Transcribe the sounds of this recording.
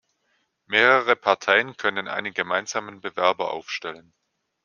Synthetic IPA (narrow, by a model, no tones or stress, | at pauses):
meːʁəʁ̞əpʰaɐtʰaɪənkʰœnənʔa̰ɪnənɡəmaɪnzaːmənbəvɛɐbɐʔa̰ʊfʃtɛlən